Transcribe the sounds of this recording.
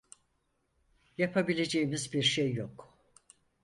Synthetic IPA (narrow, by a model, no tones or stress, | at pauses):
japʰabilʲe̞d͡ʒe̞jimizbiɾʃejːok